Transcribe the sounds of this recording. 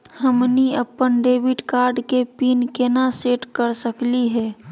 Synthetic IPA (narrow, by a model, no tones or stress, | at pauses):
həmniəpːənɖeːbɪʈkaːɾɖkepiːnkenaseːʈkəɾsəkliɦɛː